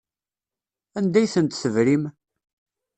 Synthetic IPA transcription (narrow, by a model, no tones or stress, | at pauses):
ænd̪æjθənt̪θəvɾim